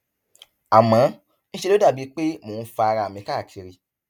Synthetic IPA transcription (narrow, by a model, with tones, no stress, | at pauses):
a˨mã˨˦ | ñ̩˦ʃe˧lo˦da˦˨bi˨˧˦k͡pe˦moː˨˦n̩˦fa˧a˧ɾa˧˨mĩ˧ka˦˨kʰi˨˧ɾi˧